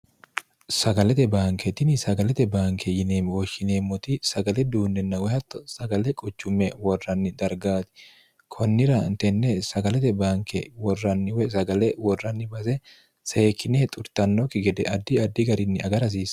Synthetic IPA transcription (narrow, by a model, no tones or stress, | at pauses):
sɐɡɐlɛt̪ɛbaːŋkɛt̪ɪnɪsɐɡɐlɛt̪ɛbaːŋkɛjɪneːmwɔʃɪneːmːɔt̪ɪsɐɡɐlɛd̪uːnːɛnːɐwɛhɐt̪ːɔsɐɡɐlɛkʼʊt͡ʃːʊmːɛwɔrːɐnːɪd̪ɐɾɡaːt̪ɪ̥ | kʰɔnːɪɾɐɪnt̪ɛnːɛsɐɡɐlɛt̪ɛbaːŋkɛ̰wɔrːɐnːɪwɛsɐɡɐlɛwɔrːɐnːɪbɐsɛ | seːkːɪneːt̪ʼʊɾt̪ɐnːɔkɪɡɛd̪ɛɐd̪ːɪɐd̪ːɪɡɐɾɪnːɪɐɡɐɾɐs̬iːs